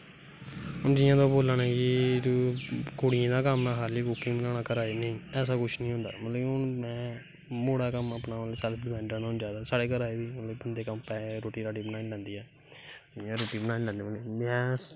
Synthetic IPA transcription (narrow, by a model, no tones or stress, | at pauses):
ɦʊnd͡ʒɪːjãːt̪ãːboːlaːnaːkɪ | koːɽɪjẽːd̪aːkəmnãːɦaːɾliːkʊkɪ̃ŋbənaːnaːkəɾaːeːneĩːɛːs̬aːkʊt͡ʃʰnĩːɦʊ̃nd̪a̰ːmət̪lːiʊnmɛ̃ː | moːɽaːkəməpnaːlsɛːlpɖɪbɛ̃ːɳãnːʊnd͡ʒaːd̪aːsaːɽeːkəɾaːeːbiːmət̪ləibənd̪eːkəmpɛːɾoːʈiːɾaːɖiːbənaːnĩlɛ̃ːnd̪iːɛː | ɪãːɾoːʈiːbənãːnilɛ̃ːnd̪iːmimɛ̃ː